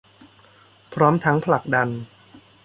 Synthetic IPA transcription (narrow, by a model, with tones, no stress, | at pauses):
pʰɾɔː˦˥mt̪ʰa˦˥ŋpʰla˨˩k̚da˧n